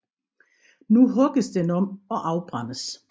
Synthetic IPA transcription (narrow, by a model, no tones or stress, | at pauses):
nuɦɔɡ̥əsd̥enɒ̽mɒ̽ʔɑ̈ʊb̥ʁaməs